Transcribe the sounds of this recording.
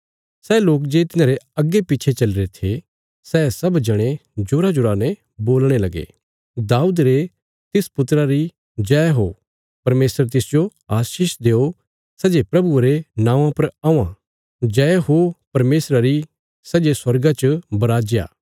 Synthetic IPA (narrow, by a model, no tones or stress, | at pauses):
sɛːloːk̬d͡ʒeːt̪ɪnãːɾeɐɡːepiːt͡ʃʰet͡ʃɐlɾet̪ʰe | sɛːsɐbd͡ʒɐɽ̃ẽd͡ʒʊɾad͡ʒʊɾaːne | boːlɽ̃elɐɡḛː | d̪aːuːd̪ɾe | t̪ɪspʊt̪ɾaɾi | d͡ʒɛːɦo | pɐɾmeːsəɾt̪ɪsd͡ʒoaːʃiːʃd̪eːo | sɛd͡ʒepɾɐbueɾenãːʋãpɐɾaːũã | d͡ʒɛːɦopɐɾmeːsɾaɾi | sɛd͡ʒeswɐɾɡãt͡ʃbɐɾaːd͡ʒja̰ː